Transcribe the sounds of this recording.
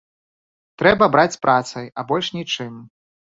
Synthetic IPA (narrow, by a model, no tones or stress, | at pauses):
t̪ɾɛbɐbɾat͡sʲpɾʔat̪sɐjɐbɔlʲʂnʲit͡ʂɨm